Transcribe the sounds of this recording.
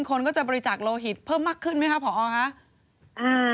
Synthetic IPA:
nkʰo˧nkɔː˥˩t͡ɕa˨˩bɔː˧ɾi˧t͡ɕaː˨˩k̚loː˧ɦi˨˩t̪̚pʰɤː˥˩mːaː˥˩kʰːɯ˥˩nma˦˥jkʰa˦˥pʰɔː˩˦ʔɔː˧kʰa˦˥ʔ | ʔɯː˧

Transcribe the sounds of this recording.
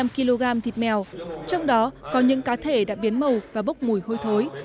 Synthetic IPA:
a˧mki˧lo˧ɣaː˧mt̪ʰi˨˩t̚mɛ˨˩wt͡ɕɔ˧wŋ͡mɗɔ˨˦kɔ˨˦ɲɨ̰˧˥ŋkaː˨˦t̪ʰe˧˩ɗa̰ː˧˥ɓi˨˦ənmə˨˩wvaː˨˩ɓə˦˥wk͡p̚mu˨˧˩jho˧jt̪ʰo˨˦j

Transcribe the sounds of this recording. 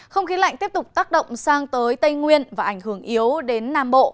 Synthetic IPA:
xə˧wŋ͡mxi˨˦la̰˧˨ŋ̟t̪i˦˥əp̚t̪ʊ˨˩k͡p̚t̪aː˦˥k̚ɗə̰˧˨wŋ͡msaː˧ŋt̪əː˨˦jt̪ə˧jŋwi˧ənvaː˨˩ʔa˧˩ŋ̟ɦɨ˧˩əŋʔi˨˦əwɗe˨˦nːaː˧˩mɓo̰˧˨

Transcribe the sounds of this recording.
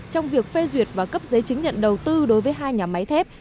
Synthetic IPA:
t͡ɕɔ˧wŋ͡mvi˨˩ək̚fe˧zwi˨˩ət̚vaː˨˩kə˦˥p̚zəː˨˦jt͡ɕɨ˨˦ŋ̟ɲə̰˧˨nɗə˨˩wt̪ɨ˧ɗo˨˦jvəː˨˦jɦaː˧jɲaː˨˩ma˨˦jt̪ʰɛ˦˥p̚

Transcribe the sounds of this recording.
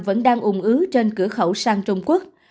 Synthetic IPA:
və̰˧˥nɗaː˧ŋʔʊ˧˩ŋ͡mʔɨ˨˦t͡ɕe˧nkɨ˧˩əxə˧˩wsaː˧ŋt͡ɕʊ˧ŋ͡mku˦˥ək̚

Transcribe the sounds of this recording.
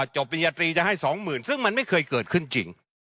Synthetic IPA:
t͡ɕo˨˩p̚ːi˧jaː˧t̪ɾiː˧t͡ɕa˨˩ʔha˥˩jsɔː˩˦ŋmɯː˨˩nsɯ˥˩ŋma˧nma˥˩jkʰɤː˧jkɤː˨˩t̪̚kʰɯ˥˩nt͡ɕḭ˧ŋ

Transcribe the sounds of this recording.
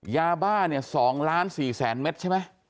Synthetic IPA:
jaː˧baː˥˩ni˥˩ɐsɔː˩˦ŋlaː˦˥nsiː˨˩sɛː˩˦nme˦˥t̪̚t͡ɕʰa˥˩jma˦˥j

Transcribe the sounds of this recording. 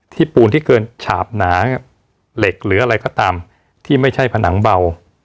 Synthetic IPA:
t̪ʰiː˥˩puː˧nt̪ʰiː˥˩kɤː˧nt͡ɕʰaː˨˩p̚naː˩˦ | le˨˩k̚ɾɯː˩˦ʔa˧ɾa˧jkɔː˥˩t̪aː˧m | t̪ʰiː˥˩ma˥˩jt͡ɕʰa˥˩jpʰa˧nʔa˩˦ŋba˧w

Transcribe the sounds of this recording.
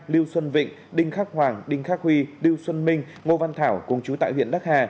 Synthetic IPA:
li˧əwswə˧nvḭ̈˧˨ŋ̟ɗï˧ŋ̟xaː˦˥k̚hwaː˨˩ŋɗï˧ŋ̟xaː˦˥k̚hwi˧li˧əwswə˧nmï˧ŋ̟ | ŋo˧va˧nt̪ʰaː˧˩wkʊ˧˩ŋ͡mt͡ɕu˨˦t̪a̰ː˧˨jwḭ˧˨ənɗa˦˥k̚haː˧˩

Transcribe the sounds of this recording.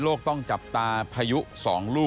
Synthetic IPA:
loː˥˩k̚t̪ɔ˥˩ŋt͡ɕa˨˩p̚t̪aː˧pʰaː˧ju˦˥ʔsɔː˩˦ŋluː˥˩

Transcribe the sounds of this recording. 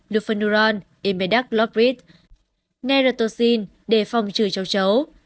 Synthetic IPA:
lu˧˨fə˧nu˧ɾaː˧nʔi˧˩me˧ɗa˦˥k̚lɔ˦˥p̚ɹi˦˥t̪̚ | nɛ˧ɾəː˧t̪o˧si˧n | ɗe˧˩fa˨˩wŋ͡mt͡ɕɨ˧˩t͡ɕə˨˦wt͡ɕə˨˦w

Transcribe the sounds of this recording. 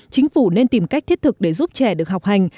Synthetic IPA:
t͡ɕï˨˦ŋ̟fu˧˩ne˧nt̪i˨˩mka˦˥k̚t̪ʰi˦˥ət̚t̪ɨ˨˩k̚ɗe˧˩zu˦˥p̚t͡ɕɛ˧˩ɗɨ˨ək̚ɦa˨˩wk͡p̚ha˨˩jŋ̟

